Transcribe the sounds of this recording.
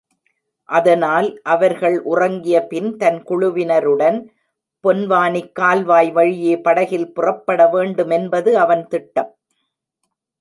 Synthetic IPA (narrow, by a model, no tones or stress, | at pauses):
ʔɐðɐnaːlʔɐʋɐɾɣɐɭʔʊrɐŋɡɪjɐpɪnt̪ɐnkʊɻʊʋɪnɐɾɯɽɐn | pɔnʋaːnɪkːaːlʋaːjʋɐɻɪjeːpɐɽɐɣɪlpʊrɐpːɐɽɐʋeːɳɖɯmɛnbɐðɯɐʋɐnt̪ɪʈːɐm